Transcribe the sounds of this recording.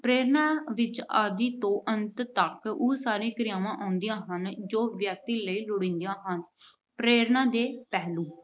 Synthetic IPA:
pɾeːɾnaːʋɪt͡ʃaːd̪iːt̪õːʔənt̪t̪əkuːsaːɾẽːkɾɪjãːʋãːʔãːnd̪ijãːɦənd͡ʒoːʋjək̚t̪iːləiːlʊɽɪ̃nd̪ijãːɦən | pɾeːɾnãːd̪eːpɛːluː

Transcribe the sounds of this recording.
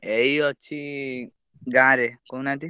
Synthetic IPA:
ejɔt͡ʃʰi | ɡãɾekownat̪i

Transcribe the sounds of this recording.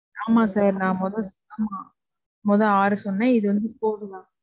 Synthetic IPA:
aːmaːsaːɾnãːmɔðɐ̃sʊk̪ːɐmaː | mɔðɐ̃aːɾɯsɔnːaɪðɯʋɐnd̪ɯpoːɾɯlãː

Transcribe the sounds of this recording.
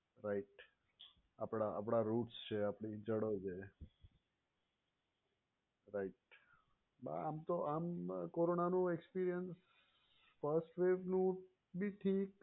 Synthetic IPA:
ɾaiʈ | apɽaapɽ̃aɾuʈst͡ʃʰeapɳid͡ʒəɽod͡ʒʰe | ɾaiʈ̚ | ba̰amt̪oʔamkoɾonanũekspiɾijəns | fəɾsʈʋeʋnũ | biʈʰik

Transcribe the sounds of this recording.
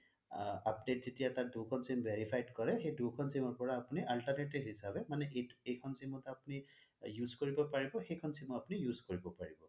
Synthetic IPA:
apdetzitijatadʱukʰɔnsimbʱeɹipʰajdkɔɹɛxejdukʰɔnsimɔɹpɔɹaːpuniʔalʈaɹneʈibɦisabɛmanɛʔejkʰɔnsimɔtapunijuzkoɹibɔpaɹibɔxejkʰɔnsimɔapunijuzkoɹibɔpaɹibɔ

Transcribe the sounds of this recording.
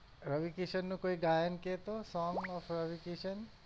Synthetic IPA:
ɾəʋikeʃənːũkoiɡajənket̪osɔːŋɔfɾəʋikeʃən

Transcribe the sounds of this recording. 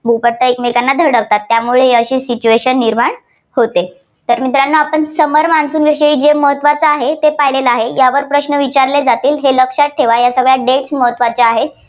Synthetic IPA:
bʱupəɾt̪əekmekanːad̪ʱəɾɽəʋt̪at̪ːjamuɭeəɕiːsit͡ɕueɕənːiɾmaɳ | hot̪e | t̪əɾmit̪ɾanːəapəɳsəməɾmansuːnʋiʂəiːd͡ʑeməɦət̪ːʋat͡səaɦet̪epaɦileləaɦejaʋəɾpɾəɕnəʋit͡ɕaɾled͡zat̪iːlɦeləkɕaʈ̚ʈʰːeʋajasəɡɭjaɖeʈsməɦət̪ʋat͡ɕaaɦe

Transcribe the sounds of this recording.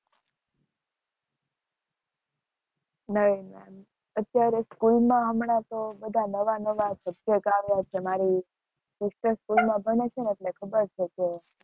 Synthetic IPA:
nəɦimɛ̰m | ət̪ːjaɾeskulmãɦəmɳat̪obəd̪ʱanəʋanəʋasəb̚jəkaʋjat͡ʃʰemaɾi | sɪsʈəɾskulmãbʱənet͡ʃʰeneʈlekʰəbəɾt͡ʃʰet͡ʃʰe

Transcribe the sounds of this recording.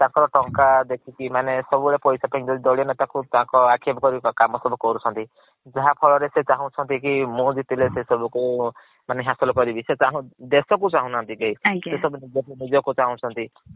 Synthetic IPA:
t̪ãkɔɾɔʈɔŋkad̪ekʰikimanesɔbuɭepɔjsapʰaĩd͡ʒɔd̪id̪ɔɭiɔnet̪ãkut̪ãkɔakʰebɔkɔɾikamɔsɔbukɔɾut͡ʃʰɔnt̪i | d͡ʒaɦapʰɔɭɔɾeset͡ʃaɦũt͡ʃʰɔnt̪ik̬imũd͡ʒit̪ilesesɔbuku | maneɦasɔlɔkɔɾibiset͡ʃaɦũd̪esɔkut͡ʃaɦũnant̪iɡeisesɔbunid͡ʒɔkunid͡ʒɔkut͡ʃaɦũt͡ʃʰɔnt̪i

